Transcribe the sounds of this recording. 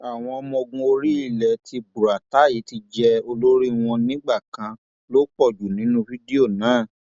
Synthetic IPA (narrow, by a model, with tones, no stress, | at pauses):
a˨w̃ɔ̃˧ɔ˧mɔ̃˧ɡũ˧o˧ɾi˦i˦˨lɛ˨tʰi˧bu˨ɾa˨ta˨˦˨ji˨˦ti˧d͡ʒɛ˧o˧lo˦ɾi˦w̃ɔ̃˧nĩ˦ɡ͡ba˦˨kã˧ | lo˦k͡pɔ˦˨d͡ʒu˨nĩ˨˦nũ˧fi˦di˦o˦˨nãː˨˦˨